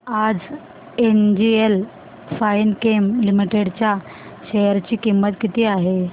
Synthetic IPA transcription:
ad͡z | end͡ʑiel | fajnkemlimiʈeɽt͡ɕja | ɕejəɾt͡ɕiːkimːət̪kit̪iːaɦe

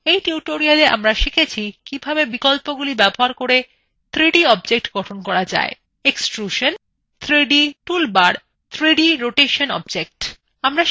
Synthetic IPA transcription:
ejʈiuʈoɾialeʔa̰mɾaʃikʰet͡ɕʰikibʱabebikolpoɡulibɛboɦaɾkoɾe | t̪ʰɾiɖiɔb̚d͡ʑek̚ʈɡɔʈʰonkɔɾad͡ʑa̰e | eksʈɾuʃon | t̪ʰɾiɖiʈulbaɾ | t̪ʰɾiɖiɾoʈeʃonɔ̰b̚d͡ʑek̚ʈ | amɾa

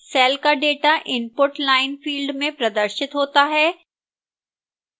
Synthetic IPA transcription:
sɛːlkaɖeːʈaʔɪmpʊɾʈlaːɪnfiːlɖmẽpɾɐd̪əɾʃɪt̪ɦoːt̪aɦɛː

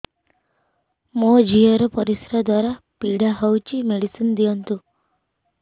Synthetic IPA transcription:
mod͡ʒiɔɾɔpɔɾisɾɔd̪waɾa | piɽaɦɔwt͡ʃimeɽisind̪ijɔnt̪u

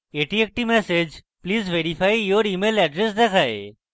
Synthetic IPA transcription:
eːʈiek̚ʈimɛːsed͡ʒ | pliːzʋeːɾifʰaːijoːɾiːmeːlɛɖɾesd̪ekʰaːḛ

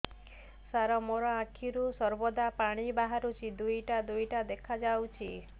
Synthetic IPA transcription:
saɾɔmoɾɔãkʰiɾusɔɾbɔd̪apaɽ̃ibaɦaɾut͡ʃʰid̪ujʈad̪ujʈad̪ekʰad͡ʒawt͡ʃʰi

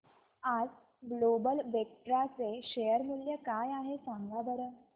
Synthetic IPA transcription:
ad͡z | blobəlʋek̚ʈɾat͡seɕejəɾmuljəkajaɦesãŋɡabəɾə

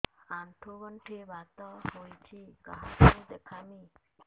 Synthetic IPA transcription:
aɳʈʰuɡɔɳʈʰebat̪ɔhojt͡ɕʰikaɦʈʰud̪ekʰami

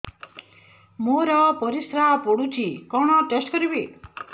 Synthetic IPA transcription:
moɾʌpɔɾisɾapoɽut͡ʃʰikɔɳ̃ʌʈesʈkʌɾibe

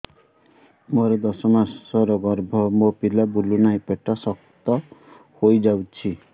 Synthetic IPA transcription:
moɾɔd̪ɔsɔmasɔɾɔɡɔɾbʱɔmopilabulunajpeʈɔsɔkt̪ɔ | hojd͡ʒawt͡ʃʰi

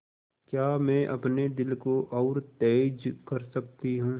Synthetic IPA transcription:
kjaːmɛ̃ːʔɐpned̪ɪlkoʔɔːɾt̪ɛːd͡ʒkɐɾsɐkt̪iɦũ

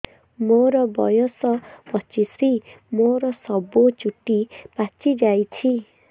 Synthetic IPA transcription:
moɾɔbɔ̰josɔpʌt͡ʃisimoɾɔsɔbot͡ʃuʈːipat͡ʃid͡ʒajt͡ʃʰi

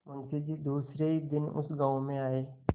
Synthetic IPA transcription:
mʊ̃nsed͡ʒid̪uːsɾeid̪ɪnʊ̰sɡãːõmẽaːeː

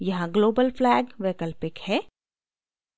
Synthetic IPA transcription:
jɐɦãɡloːbəlflɛːɡʋeːkəlpɪkhɛː

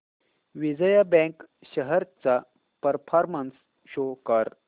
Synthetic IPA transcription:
ʋid͡zəjabɛ̃kɕəɦəɾt͡sa | pəɾpʰaɾməns | ɕokəɾ

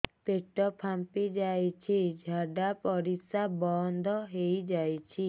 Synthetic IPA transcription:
peʈɔpʰampid͡ʒajt͡ʃʰid͡ʒʱaɖapɔɾisabɔnd̪ʱɔɦejd͡ʒajt͡ʃʰi

